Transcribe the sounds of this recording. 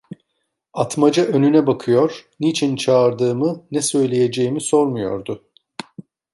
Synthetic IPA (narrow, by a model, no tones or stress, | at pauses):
at̪mad͡ʒaʔø̞nynɛbakʰɯjo̞ɾ̥nit͡ʃʰint͡ʃʰaːɾd̪ɯːmɯnɛsø̞jlʲejed͡ʒejimiso̞ɾmujo̞̰ɾd̪ʊ